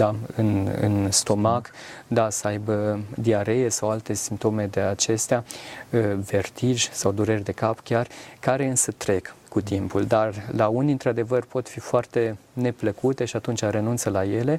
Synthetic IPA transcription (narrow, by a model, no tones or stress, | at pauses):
d̪aɨnɨ̰nst̪o̞makd̪asəajbəd̪iaɾe̞jesawalt̪e̞simp̚t̪o̞me̞d̪e̞at͡ʃe̞st̪ea | ve̞rt̪iʒsawd̪uɾerʲd̪e̞kapkʲjarkaɾe̞ɨnsət̪ɾe̞kːut̪impuld̪arlauniɨnt̪ɾad̪e̞vərpo̞t̪fifoart̪e̞ne̞pləkut̪e̞ʃiat̪unt͡ʃaɾe̞nunt̪səlaje̞le̞